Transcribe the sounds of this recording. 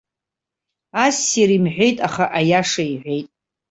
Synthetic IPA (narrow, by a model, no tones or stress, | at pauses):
asiɾimħᶣʷe̞jtʼaχaʔajaʂaiħʷe̞jtʼ